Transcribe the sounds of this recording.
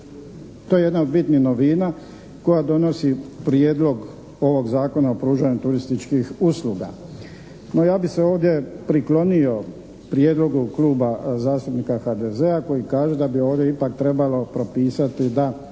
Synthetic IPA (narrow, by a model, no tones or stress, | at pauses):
t̪ojeje̞d̪naod̪̚bit̪nihno̞ʋiːna | ko̞jad̪o̞no̞sipɾje̞ːd̪lo̞ɡ | o̞ʋo̞ɡzaːko̞naopɾuːʒaɲut̪uɾist̪it͡ʃkixusluːɡa̰ | no̞jaːbise̞o̞ːʋd̪je̞pɾiklo̞nio̞ | pɾje̞ːd̪lo̞ɡukluːbazaːst̪upnikaxad̪e̞ze̞ako̞jikaːʒe̞d̪abio̞ːʋd̪jeipakt̪ɾe̞balo̞pɾo̞piːsat̪id̪a